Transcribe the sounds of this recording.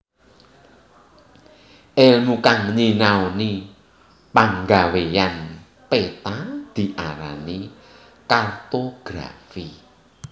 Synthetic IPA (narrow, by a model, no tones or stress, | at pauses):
ʔelnukaŋɲinaoni | paŋɡawejan | pet̪ad̪̥i̤ʔaɾa̰ni | kart̪oɡ̥ɾa̰fi